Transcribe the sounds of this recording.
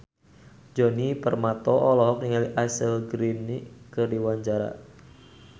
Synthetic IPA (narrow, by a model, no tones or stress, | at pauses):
d͡ʒɔnipərmat̪ɔʔɔlɔɦɔk̚niŋaliʔasəlɡɾinikɨrdiwaɲd͡ʒaɾa̰